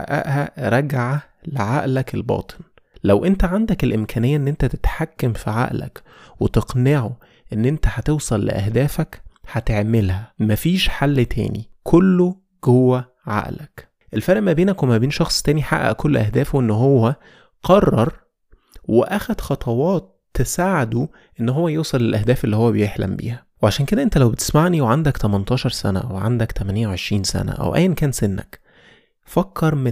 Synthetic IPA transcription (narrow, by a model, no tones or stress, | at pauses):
ħa̰ʔæ̰ʔhæɾˤɑɡʕ | leʕaʔlækelbɑ̰ːt̪ˤe̥n | læwʔent̪æʕand̪ækelʔemkæːnejːæʔenːʔent̪æt̪e̥t̪ħakːæmfiʕa̰ʔlæ̰k | wet̪eqneʕo | ʔenːʔent̪æhɑt̪ewsˤɑlːḛʔæ̰hd̪æːfækħæt̪eʕmelhæmæfiːʃħalːt̪ʰæ̰ːnḭkʰolːo | ɡ̥owːæ | ʕa̰ʔlæk | ʔelfæɾʔmæbeːnækwemæbiːnʃɑxsˤt̪æːniħa̰ʔːæ̰ʔkʰolːʔæhd̪æːfwʔenːɦowːæ | qɑrˤːɑɾˤ | weʔæxæd̪xɑt̪ˤʰɑwɑːt̪ːesaːʕed̪u | ʔenːɦowːæjeːsˤɑlelʔæhd̪æːfelːihowːæbejeħlæ̰mbḭːhæweʕaʃæːnked̪æʔent̪ælæwbet̪e̥smaʕniweʕand̪ækt̪æmænt̪ˤɑːʃɑɾˤsænæ̰ʔæwʕa̰nd̪ækt̪ʰæmænejæwʕeʃɾiːnsæ̰næ̰ʔæ̰wʔæ̰jːænkæːnsenːæ̰k | fɑkʰːɑɾˤme